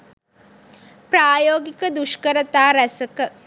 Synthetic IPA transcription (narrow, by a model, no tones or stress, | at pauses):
pɾaːjoːɡikəd̪uʃkəɾət̪aːɾɛsɐkə